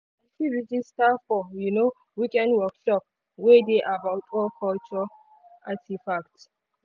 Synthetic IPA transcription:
afiɹid͡ʒistafɔjuno | wikɛ̃ndwɔkʃɔp̚ | wedeʔabaʊtɔkʰɔlt͡ʃɔ | ʔatifakt

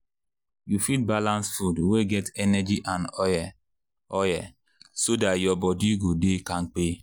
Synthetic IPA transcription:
jufit̚balãnsfudweɡɛtɛnɛd͡ʒiʔãnɔjɛ | ɔjɛ | sodatjɔbɔdiɡodekãŋ̩k͡pe

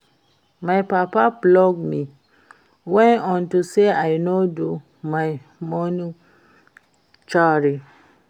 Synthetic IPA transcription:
majpapablɔɡmĩ | wɛ̃nɔ̃ntuseajnodu | maj | mɔ̃nĩ | t͡ʃaɾi

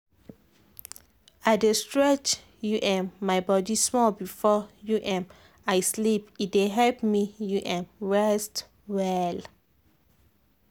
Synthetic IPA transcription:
aɪdestɹɛt͡ʃ | juʔɛ̃nːaɪbɔdismɔlbifɔjuʔɛ̃m | aɪslipit̚deɦɛlpmijuʔɛ̃mɹɛst | wɛl

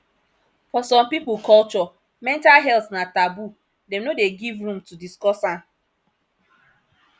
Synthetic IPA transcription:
fɔsɔ̃mpipʊkɔlt͡ʃɔ | mɛ̃ntalɦɛltsnatabu | dɛ̃mnodeɡivɹũmtudiskɔsan

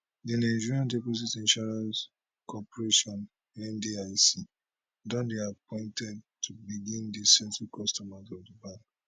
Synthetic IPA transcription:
dinaɪd͡ʒiɹiãndepos̬itĩnʃɔɹãns | kʰɔpɔɹeʃɔ̃n | ɛ̃ndiaɪsi | dɔ̃ndiapɔ̃ɪ̃ntɛd̚tʰubiɡĩndisɛ̃ntukʰɔstɔmazɔvdibãŋk

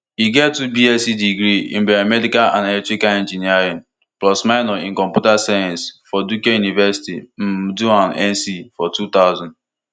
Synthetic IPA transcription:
iɡɛtːubiɛsidiɡɾiḭ̃m̩bɛɾamɛdikalã̰nelɛk̚tɹikaɛ̃nd͡ʒiniaɾiãn | plɔsmaɪnɔĩŋkɔ̃mpjutasajãnsfɔdukejunivɛsi̥tim̩duãnɛ̃nsifɔtut̪aʊzɔ̃nd

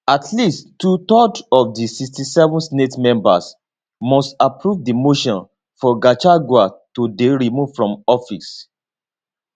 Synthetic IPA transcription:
atʰlistːutɔdɔfdisikstisɛvɔ̃nsnetmɛ̃mba̰s | mɔstapɹuvdimoʃɔ̃n | fɔɡat͡ʃaɡwatodeɹimuv̥fɹɔ̃mɔfis

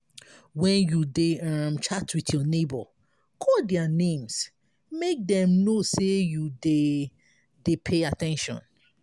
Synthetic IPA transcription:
wɛ̃njudeamt͡ʃatwiθjɔnebɔ̰ | kʰɔldɛanẽms | mek̚dɛ̃mnosejude | depʰeatɛ̃nʃɔ̰̃n

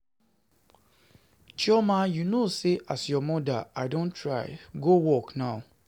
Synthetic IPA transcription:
t͡ʃɔmajunoseʔasjɔmɔ̃daaɪdõntʰɹaɪɡowɔknaʊ

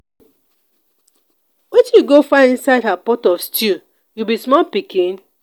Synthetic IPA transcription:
wɛtjuɡofaĩnsaɪdhapɔtɔfstu | jubismɔlpikĩn

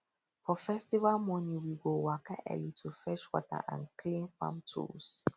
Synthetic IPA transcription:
fɔfɛstivalmɔnĩwiɡowakaʔɛ̰litʰufɛʃwɔta̰ʔã̰nkʰlĩnfã̰mtʰṵs

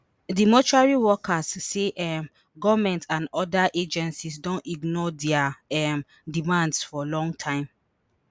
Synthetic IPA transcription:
dimɔt͡ʃuaɹiwɔkʰasːeʔɛm | ɡɔvamɛ̃ntãnɔdaʔed͡ʒɛ̃nsisdɔ̃niɡnɔdɛaɛ | dimãndsfɔlɔ̃ŋɡtʰãɪ̃m

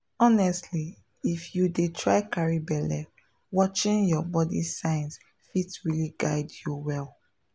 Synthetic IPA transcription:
ɔnɛstli | ifjudetʰɹaɪkaɹibɛlɛ | wɔt͡ʃĩnjɔbɔdḭsãɪ̃ns | fitɹiliɡaɪdjuwɛl

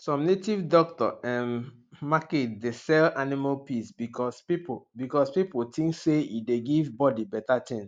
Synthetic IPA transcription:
sɔ̃mnetivdɔk̚tɔʔɛm | maketdesɛlanimalpisbikɔspipbikɔspipotʰĩŋkseḭdeɡivbɔdibɛtatʰɛ̃n

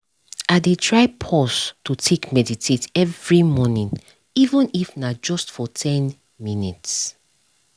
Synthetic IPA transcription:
adetʰɹaɪpʰɔstutʰekmɛditʰetɛvɹimɔnĩn | ivə̃nifnad͡ʒɔstfɔtʰɛ̃n | minits

